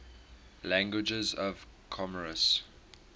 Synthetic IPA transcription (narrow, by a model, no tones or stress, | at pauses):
læ̃ŋɡwɪd͡ʒəzɔv̥kʰɔməɹəs